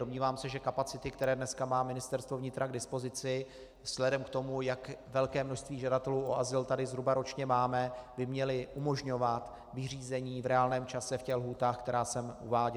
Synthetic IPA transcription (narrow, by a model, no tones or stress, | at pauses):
do̞mɲiːvaːmsɛʒɛkapat͡sɪt̪ɪkt̪ɛɾɛːdnɛskamaːmɪnɪst̪ɛɾst̪vo̞vɲɪt̪ɾʔaɡdɪspo̞zɪt͡sɪ | z̥lɛdɛmkt̪o̞mujakvɛlkɛːmno̞ʃst̪viːʒadat̪ɛluːʔoazɪlt̪adɪzɦɾubaɾo̞t͡ʃɲɛmaːmɛbɪmɲɛlɪʔumo̞ʒɲo̞vat̪ | vɪr̝iːzɛɲiːvɾɛaːlnɛːmt͡ʃasɛfcɛxlɦuːt̪aːxkt̪ɛɾaːsɛmʔṵvaːɟɪ